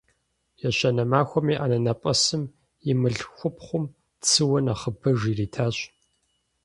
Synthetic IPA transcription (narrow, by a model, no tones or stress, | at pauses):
jɛɕɐnɐmaːxʷɔmiːʔanɐnɐpʷʼɐsɨm | jɪmɨɮxʷʊpχʷʊm | t͡sʰɨwɔnaχəbʰɐʒiːriːtʰaːɕ